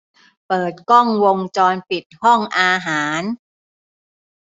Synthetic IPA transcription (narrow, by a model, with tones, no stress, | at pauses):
pɤː˨˩t̪̚kɔ˥˩ŋwo˧ŋt͡ɕɔː˧npi˨˩t̪̚hɔ˥˩ŋʔaː˧ɦaː˩˦n